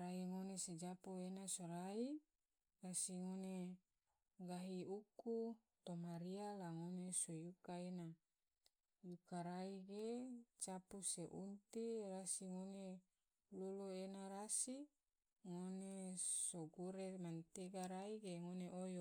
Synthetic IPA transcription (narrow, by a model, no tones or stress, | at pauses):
ɾaiŋonesed͡ʒapuenasoɾai | rasiŋone | ɡaɦiuku | t̪omaɾialaŋonesojukaena | jukaɾaiɡet͡ʃapuseʔunt̪irasiŋone | luluenaɾasi | ŋonesoɡuɾemant̪eɡaɾaiɡeŋoneʔojo